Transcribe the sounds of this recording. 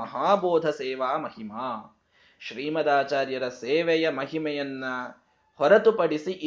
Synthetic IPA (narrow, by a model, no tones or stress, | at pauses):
ɐɦaːboːd̪ʱɐseːʋaːmɐɦimaː | ʃɾiːmɐd̪aːt͡ʃaːɾjɐɾɐseːʋɛjɐmɐɦimɐjɐnːɐ | hɔɾɐt̪upɐɽisiʔi